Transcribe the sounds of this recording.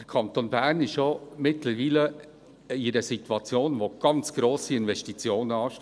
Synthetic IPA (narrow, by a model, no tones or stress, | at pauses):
d̥əɾkʰɑnt̪onbæɾnɪʃjomɪtləɾʋiːlə | ɪɾəsit̪wɑt͡sjoːnʋoɡ̥ɑnt͡sɡ̥ɾoːsiɪnvɛstit͡sjoːnəɑːʃ